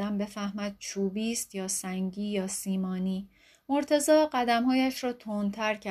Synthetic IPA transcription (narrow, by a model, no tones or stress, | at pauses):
æmbe̞fæhmæd̪̥̚t͡ʃʰuːbiːst̪jɒːsæŋɟiːjɒːsiːmɒːniː | mo̞ɾt̪ʰe̞zɒːɢæd̪æmhɒːjæʃɾɒːt̪ʰoːnt̪ʰæɾcʰæ